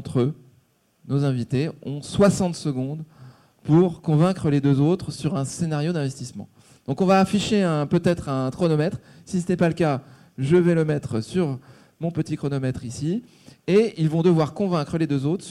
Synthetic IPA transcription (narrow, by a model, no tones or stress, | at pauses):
t̪χø | nozɛ̃vit̪eɔ̃swasɑ̃t̪səɡɔ̃d̪ | puʁkɔ̃vɛ̃kχəled̪øzot̪χsyʁɛ̃senaʁjod̪ɛ̃vɛst̪ismɑ̰̃ | d̪̥ɔ̃kɔ̃vaːfiʃeɛ̃pøt̪ɛt̪χɛ̃kχɔnɔmɛt̪χ | sis̬ənɛpaləka | ʒəvɛləmɛt̪χsyʁ | mɔ̃pət̪ikχɔnɔmɛt̪χisi | eilvɔ̃d̪əvwaʁkɔ̃vɛ̃kχəled̪øzot̪χ